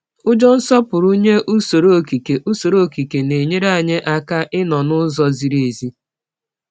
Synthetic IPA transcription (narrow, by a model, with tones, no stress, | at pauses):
ʊ˦d͡ʒɔ˦n̩˦sɔ˦pʊ˨ɾu˦ɲe˦ʔu˦so˨ɾo˦˨ki˨ke˨ʔu˦so˨ɾo˦˨ki˨ke˨ne˨ɲe˦ɾa˦˨ɲe˦ʔa˦ka˦ʔɪ˦nɔ˨nʊ˦zɔ˦zi˨ɾe˨zi˦